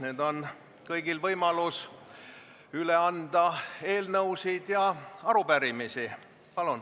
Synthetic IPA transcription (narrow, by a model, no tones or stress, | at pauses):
ne̞ːd̪o̞n | kɤjɡ̥ilvɤjmɑlus | yle̞ɑnd̪̥ɑe̞ːlnɤuwsid̪̥jɑɑɾubæɾimisi | pɑlun